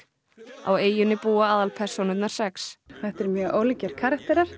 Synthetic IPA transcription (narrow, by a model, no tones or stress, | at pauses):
a̰weːjʏnːɪpuːaaːðalpʰɛr̥sɔnʏt̪naɾ̥sɛksθɛht̪ɛɾmjœːʔowlcɛɾ̥kʰaːɾak̚t̪ɛɾaɾ̥